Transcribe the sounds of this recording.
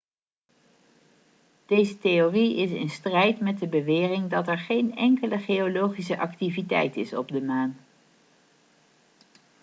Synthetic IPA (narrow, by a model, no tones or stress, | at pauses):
d̥ejzətejoriɪsɪ̰nstrɛjtmɛt̚dəbəʋɪːrɪŋdɑtɛɹχejnɛŋkələχejolowχis̬əʔɑktivitɛ̰jtɪsɔ̰b̚dəmaːn